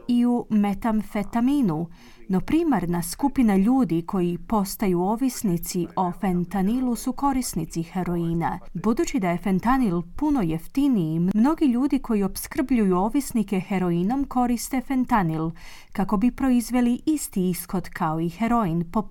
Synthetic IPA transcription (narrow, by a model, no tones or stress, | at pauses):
iume̞t̪amfe̞t̪aminu | no̞pɾiːmaɾnaskupinaʎuːd̪ikʰo̞jipo̞st̪ajuo̞ʋisnit̪sio̞fent̪anilusuko̞ɾisnit̪sixeɾo̞iːna̰bud̪uːt͡ɕid̪aje̞fe̞nt̪anilpuno̞jeft̪iniimmno̞ɡiʎuːd̪iko̞jio̞pskr̩bʎujuo̞ʋisnike̞xe̞ɾo̞ino̞mko̞ɾist̪e̞fe̞nt̪anil | kako̞bipɾo̞izʋe̞liʔist̪iisxo̞d̪kʰao̞ixe̞ɾo̞inpo